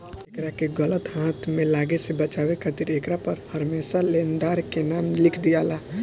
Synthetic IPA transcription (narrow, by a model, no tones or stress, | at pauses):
ekɾakeɡələt̪ɦãːt̪ʰmẽlaːɡesebət͡ʃaːwekʰət̪iɾeːkɾapəɾhəɾmeːsaleːnd̪aːɾkenaːmlɪkʰd̪ijaːla